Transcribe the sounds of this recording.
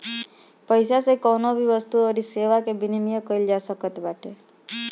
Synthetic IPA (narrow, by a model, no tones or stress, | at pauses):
pəjsasekɔnobʱiʋəst̪uoɾiseʋakebinimijəkəild͡ʒasəkət̪baʈe